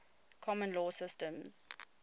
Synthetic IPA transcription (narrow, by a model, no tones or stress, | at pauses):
kʰɔmə̃nlɔːsɪstə̃mz̥